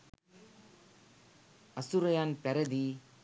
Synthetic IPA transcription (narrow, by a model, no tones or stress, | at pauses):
ɐsuɾɐjaːnpɛɾɐd̪i